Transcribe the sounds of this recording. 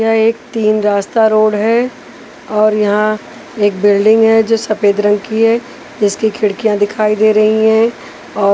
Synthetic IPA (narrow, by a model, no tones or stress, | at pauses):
ɦãeːk̚t̪iːnɾaːst̪aɾoːɽɦɛ | ɔːɾjɐɦã | eːk̚bɪlɖɪ̃ŋɡɦɛd͡ʒoːsɐpeːd̪ɾə̃ŋɡkiɦɛ | d͡ʒɪskikʰɪɽkijãd̪ɪkʰaːid̪eːɾɐɦiɦɛ̃ | ɔː